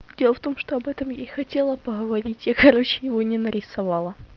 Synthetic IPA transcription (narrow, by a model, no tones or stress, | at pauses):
dʲelˠəft̪o̞mʂt̪oɐbɛt̪əmjajxɐtʲe̞lˠəpəɣəvɐɾʲitʲjakɐɾo̞t͡ɕɪjɪvo̞nʲɪnəɾʲɪsɐvɑlˠə